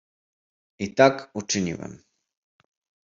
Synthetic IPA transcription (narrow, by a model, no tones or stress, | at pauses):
it̪akut͡ʂɘɲḭwɛ̰m